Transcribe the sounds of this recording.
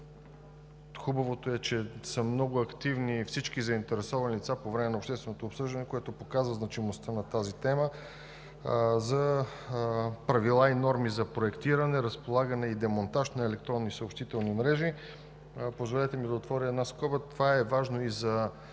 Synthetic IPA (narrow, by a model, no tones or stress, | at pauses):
xubɐvot̪oɛt͡ʃɛsəmnɔɡʊɐkt̪ivnifsit͡ʃkizɐint̪ɛɾɛsɔvɐnilit̪sapovɾɛmɛnɐopʃt̪ɛst̪vɛnot̪opsɤʒd̪ɐnɛkoɛt̪opokazvəznɐt͡ʃimost̪ənɐt̪azit̪ɛmə | zɐ | pɾɐvilˠainɔɾmizɐpɾoɛkt̪iɾənɛɾəspolˠaɡənɛid̪ɛmont̪aʃt̪nɐɛlɛk̚t̪ɾɔnːisəopʃt̪it̪ɛlˠnimɾɛʒi | pozvolɛt̪ɛmid̪ɐot̪vɔɾʲəɛd̪naskɔbət̪ovaɛvaʒnoizɐ